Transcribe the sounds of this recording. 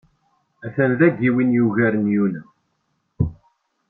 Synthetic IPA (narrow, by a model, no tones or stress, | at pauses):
æθənðæɡiwinjuʝæɾənjunæ